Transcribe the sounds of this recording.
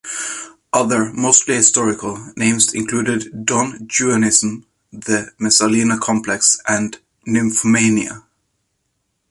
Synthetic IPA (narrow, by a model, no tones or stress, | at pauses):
ʔʌðə˞moʊstˡlihɪstɔɹɪkəl̩ˠnẽɪ̃mzɪ̰̃nkʰl̥ʉːɾɪdːɔ̃nd͡ʒʉənɪzə̃m | ðɨmɛsəlinəkʰɑ̃mpʰlɛksʔɨ̃n | nʉ̃mfəmẽɪniə̰